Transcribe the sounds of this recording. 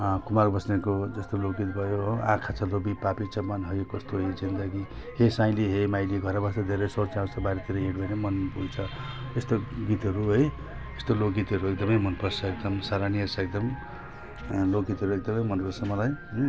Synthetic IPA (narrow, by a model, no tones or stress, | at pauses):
kumarbʌsnekod͡zʌst̪olok̚ɡit̪bʱʌjoã̰kʰat͡sʰʌlobipapit͡sʌbanɦʌjkʌst̪oɦed͡zind̪ʌɡi | hesãj̃liɦemajliɡʱʌɾabʌsod̪ʱeɾʌjsʌrt͡sãw̃t͡sʰʌbaɾet̪iɾʌɦiɽbʱʌjnʌmʌnpult͡sʰʌ | est̪oɡit̪ɦʌɾuɦʌj | est̪olok̚ɡit̪ɦʌɾuek̚d̪ʌmʌjmʌnpʌrsʌek̚d̪ʌmsaɾaniʌsʌek̚d̪ʌm | lokɡit̪ɦʌɾuek̚d̪ʌmʌjmʌnpʌsʌmːʌlaj